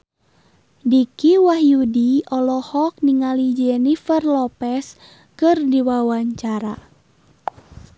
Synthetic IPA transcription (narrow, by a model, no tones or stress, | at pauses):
dikiwahjudiɔlɔhɔk̚niŋalid͡ʒɛnifərlɔpɛs | kɨrdiwawaɲt͡ʃaɾa